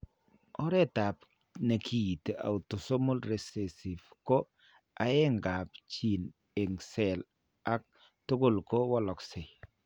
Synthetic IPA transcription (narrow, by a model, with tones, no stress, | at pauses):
ɔ˦ɾɛ˦ta˨p | ne˨kʰi˨ta̰˨u˨to˨so˦mo˦lɾe˨se˨si˨fko˦ | a˨ɛ˦ŋɡa˨pt͡ʃi˨n | e˨ŋsɛ˨l | a˦k̚ | to˦ko˦˨lko˦wɔ˦lɔ˨kse˨